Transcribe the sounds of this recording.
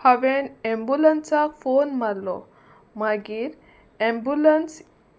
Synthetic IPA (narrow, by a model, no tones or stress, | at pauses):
haʋenɛmbulənsakfonmallɔ̰ | maɡiːɾ | ɛmbuləns